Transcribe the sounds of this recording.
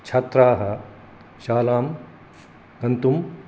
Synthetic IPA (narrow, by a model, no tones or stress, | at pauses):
t͡ʃʰat̪ɾaːɦɐ | ʃaːlaːm | kɐnt̪um